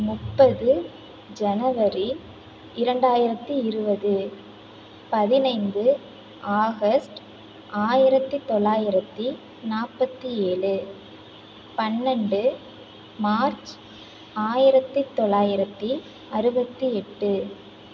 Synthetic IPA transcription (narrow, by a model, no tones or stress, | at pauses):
mʊpːɐðɯ | d͡ʒɛnɐʋɐɾi | ɪɾɐɳɖaːjɪɾɐt̪ːiɪɾɯbɐðɯ | pɐðɪnɐɪnd̪ɯ | aːɣɐsʈ | aːjɪɾɐt̪ːit̪ːɔɭːaːjɪɾɐt̪ːi | naːpːɐt̪ːieːɭɯ | pɐnːɛɳɖɯ | maːɾt͡ʃ | aːjɪɾɐt̪ːit̪ːɔɭːaːjɪɾɐt̪ːi | ɐɾɯbɐt̪ːiɛʈːɯ